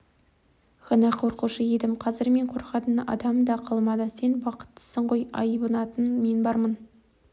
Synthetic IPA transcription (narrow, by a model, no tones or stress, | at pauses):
ʁənɑqʰo̞ɾquʃəje̞d̪ɪmqʰɑzɪɾme̞ɴqʰoɾqɑt̪ənɑ̰d̪ɑmd̪ɑqʰəlˠmɑd̪əse̞nwɑqə̥t̪ːə̥səɴʁojɑ̰jbənɑt̪ənme̞nbɑɾmən